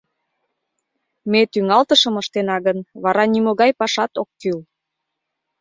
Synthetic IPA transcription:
met̪yŋɑlt̪əʃəməʃt̪enɑɣənβɑɾɑnimoɣɑjpɑʃɑt̪okːyl

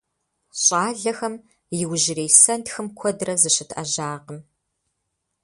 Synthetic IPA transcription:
ɕʼɑːɮɐxɐm | jɪwʒɪreːjsɐntxɨmkʷʰɔdrɐzɨɕɪtʰɐʒaːqəm

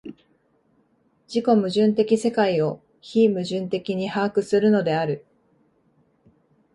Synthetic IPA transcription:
d͡ʑiko̞mɯ̟ʑɨ̃nt̪e̞kʲise̞kaio̞ | çiːmɯ̟ʑɨ̃nt̪e̞kʲiɲ̟ihaːkɯ̟sɨɾɯ̟no̞d̪e̞aɾɯ̟

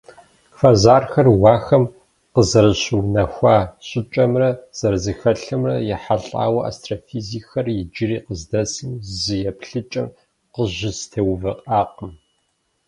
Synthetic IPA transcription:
fɐzaːrxɐrwɑːxɐm | qəzɐɾɨɕɨwnɐxʷaːɕʼɪt͡ʃʼɐmrɐz̥ɐɾɨzɨxɐɬɨmrɐ̰jɛħaɬʼa̰ːwɐʔa̰ːstʰʼrofiːzixɐrjɪd͡ʒɪriːqəzdɐsɨmzɨjɛpɬɨt͡ʃʼɐm | qəʑɪstʰewvɐqʼaːqʼəm

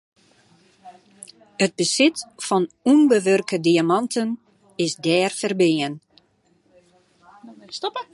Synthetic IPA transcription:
əd̚bəsɪtfɔnunbəʋørkədiamɑntʰən | ɪsdɛːrfərbɪən | stopə

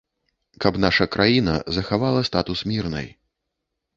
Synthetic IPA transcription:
kɐpn̪aʂɐkɾʔajinɐ̰zɐxavalˠɐst̪at̪usmʲirnɐ̰j

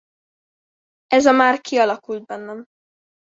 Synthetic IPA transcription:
ɛzɒmaːrkʰiɒlɒkuld̪̚bɛnːɛm

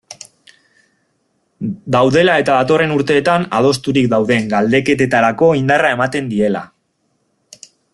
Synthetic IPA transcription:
d̪awðe̞lae̞t̪aðat̪o̞re̞nuɾt̪e̞ːt̪ana̰ð̞o̞st̪uɾik̚d̪awðe̞ŋɡald̪e̞ke̞t̪e̞t̪aɾako̞ind̪arae̞mat̪e̞nd̪ie̞la̰

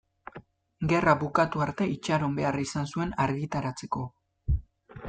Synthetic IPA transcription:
ɡe̞raβukat̪uaɾt̪e̞it͡ʃaɾo̞mbe̞arisansue̞naɾɣit̪aɾat͡se̞ko̞

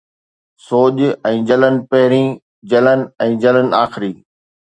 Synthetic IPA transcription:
soːʄɛ̃ːd͡ʑɐlənɪ̆pɐɦɪɾĩː | d͡ʑɐlənɪ̆ɛ̃ːd͡ʑɐlənɪ̆aːxɪɾiː

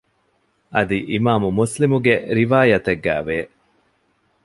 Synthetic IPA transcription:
ʔɐd̪iʔimaːmumuslimuɡeɾiʋaːjɐt̪eɡːæ̰ːʋeː

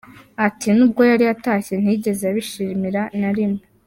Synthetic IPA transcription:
atinub̚ɡo̞jaɾiataːçe̞n̥hiɟe̞zeaβiʃiːmiɾanaɾimo

